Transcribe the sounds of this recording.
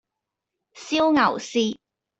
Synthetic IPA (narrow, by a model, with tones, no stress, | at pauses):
si˥wŋɐ˨˩wsiː˥